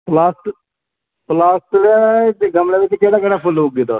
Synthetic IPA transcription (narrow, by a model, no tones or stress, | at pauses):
plaːst̪ | plaːst̪ɾeɡəmleːʋɪt͡ʃkeːɽaːkeːɽaːpʰʊlɦuɡeːt̪ɔː